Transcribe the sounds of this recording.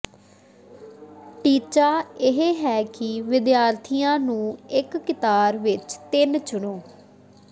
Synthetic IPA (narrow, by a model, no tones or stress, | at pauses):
ʈiːt͡ʃaːɪɦeːɦɛːkɪʋɪd̪jaːɾt̪ʰijãːnũːɪkːɪt̪aːɾʋɪt͡ʃt̪ɪnt͡ʃʊɳoː